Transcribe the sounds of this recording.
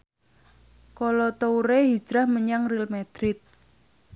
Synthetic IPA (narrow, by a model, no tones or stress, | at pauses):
kolɔt̪ouɾehi̥ʒ̥ɾahməɲaŋrilmɛd̪̥ɾɪt̪̚